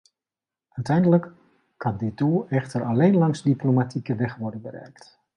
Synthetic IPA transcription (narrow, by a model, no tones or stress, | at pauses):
œɥtɛjndələkː | ɑndɪtuəɛxtəɾaleːnlɑŋsdiplomatʰikəʋɛxʋɔrdəbəɾɛ̰jkt